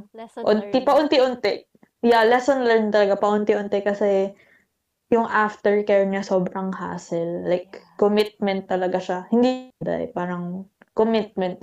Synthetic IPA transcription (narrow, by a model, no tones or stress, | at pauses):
ʔʊnt̪ipɐʔʊnt̪iʔʊnt̪ɛʔ | jalɛsonlɛnt̪ɐlɐɡapɐʔʊnt̪iʔʊnt̪ɛkɐsɛ | jʊŋʔaft̪ɛɹkɛɹɲɐso̞ːbɾɐŋha̰ːsɛlːajkːomɪt̪̚mɛnt̪ːɐlɐɡaʃahɪnd̪id̪a̰jpaːɾɐŋkomɪt̪̚mɛnt̪̚